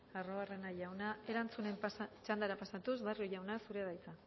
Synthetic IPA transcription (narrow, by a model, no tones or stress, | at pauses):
aroare̞najawnae̞ɾant͡sune̞mt͡ʃand̪aɾapasat̪usβarjoʝawnasuɾeðajt͡sa